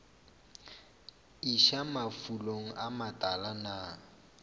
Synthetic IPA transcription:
iʃamafuloŋ̩ʔamatʼalana

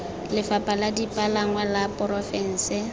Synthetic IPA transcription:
lɪfapʼaladipʼalaŋwalapʼɔɾɔfɛn̩ːsɪ

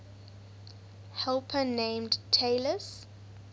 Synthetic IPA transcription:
hɛlˠpʰənẽɪmdtʰeləs

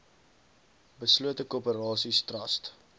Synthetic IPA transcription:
bəsluətəkuəpəɾɑːsistrɐst

